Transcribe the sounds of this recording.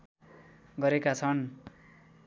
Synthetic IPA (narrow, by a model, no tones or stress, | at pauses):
ɡʌɾekat͡sʰʌn